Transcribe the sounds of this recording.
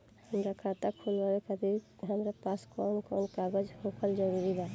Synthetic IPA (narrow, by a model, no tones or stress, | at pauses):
həmɾakʰat̪akʰulbalekəd̪ʱi | ɦəmɾapaskɔnkɔnkaɡəd͡ʒhokʰəld͡ʒəɾuɾiba